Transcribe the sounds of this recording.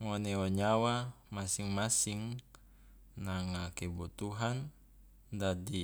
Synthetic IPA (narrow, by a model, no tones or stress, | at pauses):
ŋɔneɔɲawa | masiŋmasiŋ | naŋakebɔt̪uɦan | dadi